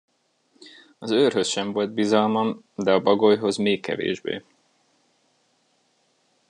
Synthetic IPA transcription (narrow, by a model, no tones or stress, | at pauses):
ɒzøːrɦø̞sʃɛɱvo̞lt̪̚bizɒlmɒm | d̪ɛɒbɒɡojɦo̞zmeːkːɛ̰vḛːʒbḛː